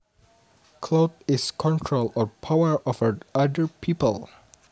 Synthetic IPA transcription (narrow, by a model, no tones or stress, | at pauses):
kʰlodɪskʰɔ̃ntʰɹolɔɹpʰawəɹʔɔfədadəɹpʰipəlˠ